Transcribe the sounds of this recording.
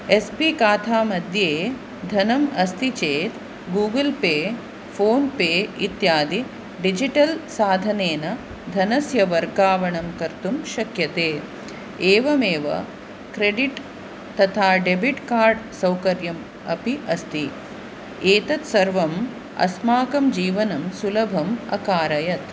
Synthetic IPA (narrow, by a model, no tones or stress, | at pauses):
espikaːt̪ʰaːmɐd̪ʱjeː | d̪ʱɐnɐmɐst̪it͡ʃeːt̪ | ɡuːɡɐlpeː | fʰoːnpeːit̪jaːd̪i | ɖid͡ʒiʈɐlsaːd̪ʱɐneːnɐ | d̪ʱɐnɐsjɐʋɐɾɡaːʋɐɳɐmkɐɾt̪umʃɐkjɐt̪eː | eːʋɐmeːʋɐ̰ | kɾeɖiʈ | t̪ɐt̪ʰaːɖebiʈkaːɾɖsɐwkɐɾjɐm | ɐpiʔɐst̪i | eːt̪ɐt̪sɐɾʋɐm | ɐ̰smaːkɐmd͡ʒiːʋɐnɐmsulɐbʱɐmɐ̰kaːɾɐjɐt̪